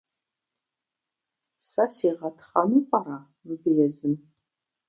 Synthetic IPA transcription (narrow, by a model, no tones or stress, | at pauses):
sɐsiːʁɐtʰχɐnuːqʼɑɾaː | mɨbɨjɛzɨm